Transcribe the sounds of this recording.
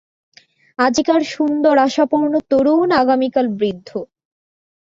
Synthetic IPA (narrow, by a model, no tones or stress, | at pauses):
ad͡ʑikaɾʃund̪oɾaʃapoɾnot̪oɾunaɡamikalbɾid̪ʱːo